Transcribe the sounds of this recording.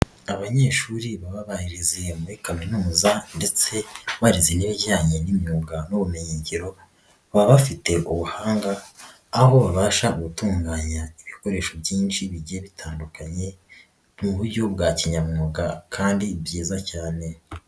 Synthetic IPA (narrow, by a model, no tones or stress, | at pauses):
aβaɲe̞ːʃuːɾiβaβaβahiɾize̞muɾikaminumuzande̞t͡se̞βaɾizeniβiɟaːɲe̞nimɲuːɡanoβumiɲiːɲɟiɾo̞ | βaβafite̞ʔuβuhaːŋɡaː | ɦo̞βaβaːʃaɡutuːŋɡaːɲaiβiko̞ɾe̞ːʃo̞bjiːnʃiβiɟieβitʰaːndukaɲe̞ | nuβuɾɟo̞bɡaːciɲamumoɡakʰaːndibjiːzacaːne̞